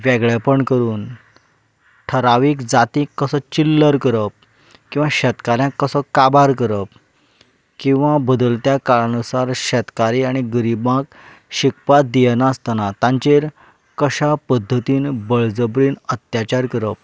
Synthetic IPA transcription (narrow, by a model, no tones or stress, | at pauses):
ʋɛɡɭapəɳkəɾuːn | ʈʰəɾaʋiːkd͡zat̪ikːəsət͡ɕilːəɾkəɾəp̚ | kĩw̃ʋaɕət̪kaɾjãkːəsəkabʱaɾkəɾəp̚ | kĩw̃ʋabəd̪əlt̪jakaɭãnusaɾɕɛt̪kaɾiaɽ̃iɡəɾibãk | ɕikpat̪̚d̪ijənaast̪anat̪ãɲt͡ɕeɾ | kəɕapəd̪ʱːət̪iːnbəɭd͡zəbɾiːnət̪jat͡ɕaɾkəɾəp̚